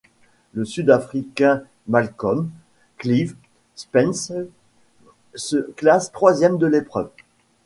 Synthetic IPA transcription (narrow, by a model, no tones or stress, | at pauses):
ləsyd̪afχikʲɛ̃ | malkɔm | kliv | spɛns | səklast̪χwazjɛmd̪əlepχœv